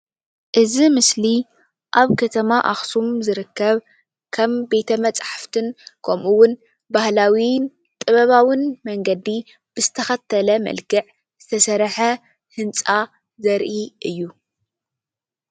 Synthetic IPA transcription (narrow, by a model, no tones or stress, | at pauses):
ʔɨzimɨsli | ʔaβkʰɐt̪ʰɐmaʔaxsumzɨɾɨkːɐβ | kʰɐmbe̞t̪ʰɐmɐt͡sʼħaft̪ʰɨnkʰɐmʔuwʊn | bahlawi | t̪ʼɨβɐβawinmɐŋɡɐd̪i | b̥ɨzɨt̪ʰɐxɐt̪ʰːɐlɐmɐ̰lkɨʕ | z̥ɨt̪ʰɐsɐɾħɐ | hɨnt͡sʼa | zɐɾʔiʔɨjːu